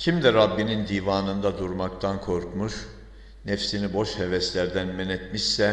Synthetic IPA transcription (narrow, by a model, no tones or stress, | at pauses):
cʰimd̪iɾabːinind̪iːvaːnɯnd̪ad̪uɾmakt̪ʰankʰo̞ɾkmuʃ | nɛfsinibo̞ʃhevɛslʲæɾd̪ænmɛnɛt̪miʃsɛ